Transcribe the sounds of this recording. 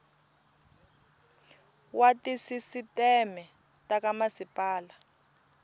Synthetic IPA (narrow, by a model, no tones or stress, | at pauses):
watisisitɛmɛ | takamasipʼaːla